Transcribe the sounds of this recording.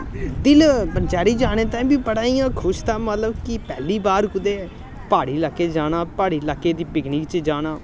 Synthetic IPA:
d̪ɪlpənt͡ʃaːɾiːd͡ʒaːɽ̃eːt̪ãːbiːpəɽaːiːjãːkʰʊʃt̪aːmət̪ləbkɪpɛːliːbaːɾkʊd̪eː | paːɽiːlaːkːeːd͡ʒaːñãːpaːɽiːlaːkːeːd̪iːpɪkniːkt͡ʃd͡ʒaːñaː

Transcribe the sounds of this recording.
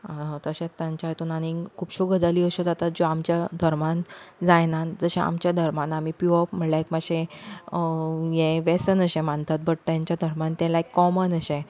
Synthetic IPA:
t̪əɕẽt̪jãɲt͡ɕaɦət̪uːnanikʰuːpɕuɡəd͡zaliːəɕod͡zat̪at̪̚d͡zoamt͡ɕjad̪ʱəɾmand͡zajnad͡zəɕẽa̰mt͡ɕjad̪ʱəɾmanamipuɔpm̤əɽljakmaɕẽ | jẽʋesənəɕẽmãnt̪ʰat̪̚bəɽt̪jaɲt͡ɕjad̪ʱəɾmãnt̪ɛ̃laekːɔmənəɕẽ

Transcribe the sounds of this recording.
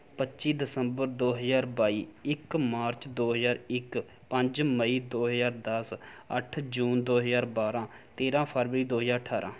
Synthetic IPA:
pətːʃiːd̪ɪsəmbəɾd̪oːɦəzaːɾbaːiːɪkmaːɾt͡ʃd̪oːɦəzaːɾɪk | pə̃ɲd͡ʒməiːd̪oːɦəzaːɾd̪əsə̰ʈʰd͡ʒuːnd̪oːɦəzaːɾbaːɾãː | t̪eːɾãːpʰəɾʋəɾiːd̪oːɦəzaːɾʈʰaːɾʔã̰ː

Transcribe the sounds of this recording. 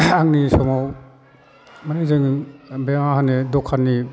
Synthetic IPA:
aŋnisɔmaw | manizɯŋbemaɦanedɔkʰːanːi

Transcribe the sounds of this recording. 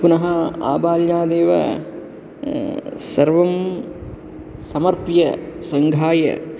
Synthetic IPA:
punɐɦɐa̰ːbaːljaːd̪eːʋɐ̰ | sɐɾʋɐm | sɐmɐɾpjɐsɐŋɡʱaːjɐ̰

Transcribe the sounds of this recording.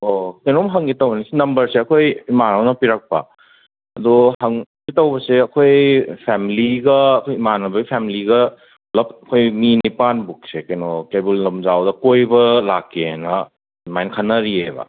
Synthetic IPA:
okɐjnomɦɐŋɡitɐwbɐnisinɐmbɐɾseɐkʰojimaɾawnɐpiɾak̚pɐ̰ | ɐdɔhɐŋɡitɐwbɐseɐkʰojpʰɛmiliɡɐːkʰojimanɐbɐɡipʰemiliɡɐ | lɐp̚ɐkʰojminipanbuk̚sekɐjnokebulːɐmzawdɐkojbɐlakʰːenɐ | majnkʰanːɐɾiebɐ̰

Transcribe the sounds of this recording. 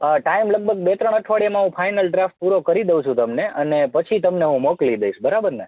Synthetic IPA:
əʈaimləɡ̚bəɡ̚bet̪ɾəɳ̃əʈʰʋaɽjamãɦũpʰajnəlɖɾafʈ̚puɾokəɾid̪eʋ̃ũt͡ʃʰũt̪əmneənepət͡ʃʰit̪əmneɦũmoklid̪əiʃbəɾabəɾne

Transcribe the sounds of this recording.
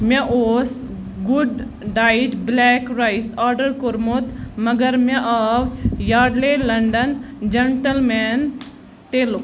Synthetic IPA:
mʲɐ̃ʔoːs | ɡuɖ | ɖaːjʈblɛːkɾaisaːɾɖəɾkoɾmot̪mɐɡəɾmɐ̃ʔaʋjaːɖlelɐɳɖɐnd͡ʒɐɳʈəlmɛːn | ʈeːlo

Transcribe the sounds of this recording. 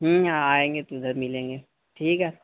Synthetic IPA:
ɦɦaaːẽːŋɡet̪oɪd̪ʱəɾmɪlẽːŋɡeː | ʈʰiːkɦɛː

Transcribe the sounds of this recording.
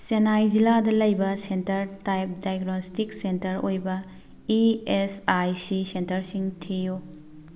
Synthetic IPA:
senajd͡ʒiladɐlɐjbɐsentɐɾtajp̚dajɡnostiksentɐɾojbɐ | iesajsisentɐɾsiŋtʰiju

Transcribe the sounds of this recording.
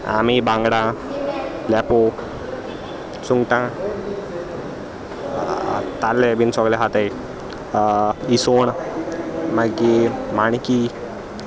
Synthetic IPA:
a̰mibãŋɡɽã | lɛpo | suŋɡʈã | t̪alːebinsɔɡleɦat̪ej | isoɳ | məɡimañki

